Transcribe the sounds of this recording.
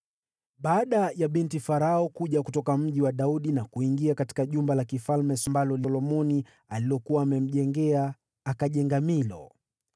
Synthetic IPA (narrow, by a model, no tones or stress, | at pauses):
ɓaːɗajaɓintifaɾaɔkuʄakutɔkam̩ʄiwaɗauɗinakuiŋɡiakati̥kaʄumbalakifalmɛsɔmbalɔlilɔmɔni | aliɔkuwaːmɛm̩ʄɛŋɡɛaː | kaʄɛŋɡamilɔ̰